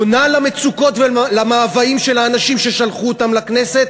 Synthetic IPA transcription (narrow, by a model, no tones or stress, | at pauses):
nalame̞t͡suko̞tvelamaːvaimʃe̞laːnaʃimʃeʃalχuotamlakne̞se̞t̪̚